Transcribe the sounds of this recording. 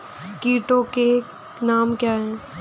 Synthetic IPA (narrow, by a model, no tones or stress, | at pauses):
kiːʈõke | naːmkjaːɦɛ̃ː